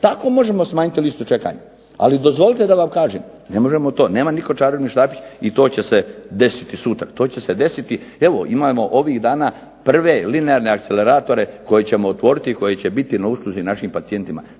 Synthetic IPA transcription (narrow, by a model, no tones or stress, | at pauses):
t̪ako̞mo̞ʒe̞mosmaːɲit̪ilist̪ut͡ʃe̞ka̰ɲa̰ | a̰lid̪o̞zʋo̞lit̪ed̪aʋamkaːʒem | ne̞mo̞ʒemot̪o̞ːneːmaniko̞t͡ʃaːɾoʋniʃt̪aːpit͡ɕit̪o̞ːt͡ɕe̞se̞d̪e̞si̥t̪isut̪ɾat̪o̞ːt͡ɕe̞sed̪e̞sit̪ie̞ʋo̞ʔimamo̞ʔo̞ʋiɣd̪aːnaː | pr̩ʋe̞lineaɾne̞akt̪sele̞ɾaːt̪o̞ɾe̞ko̞jet͡ɕe̞moot̪ʋo̞ɾit̪iko̞je̞t͡ɕebit̪inausklˠuzinaʃimpat̪sije̞nt̪ima̰